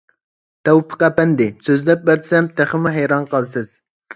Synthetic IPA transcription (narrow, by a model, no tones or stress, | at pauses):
t̪ʰɛwpʰə̥qæpɛnd̪ɪsøzd̪ɛp̚bæɾd̪̥sɛmt̪ʰæχəmuɦɛjɾɑnqʰəlˠsɨz̥